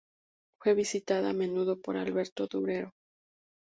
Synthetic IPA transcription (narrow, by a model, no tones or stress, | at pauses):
fwe̞βisit̪aðaamẽ̞nuðo̞po̞ɾalβe̞ɾt̪o̞ðuβɾe̞ɾo̞